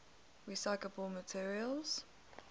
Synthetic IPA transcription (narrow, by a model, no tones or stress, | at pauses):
ɹisaɪkləbəlˠmətʰiɹiəlˠz̥